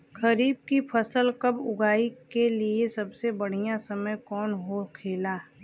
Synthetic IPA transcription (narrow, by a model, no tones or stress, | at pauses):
kɐɾiːb̚kipʰɐsəlkɐbʊɡʱaːikeliesɐbsebɐɽ̤ijãsɐməjkɔːnɦokʰeːlaː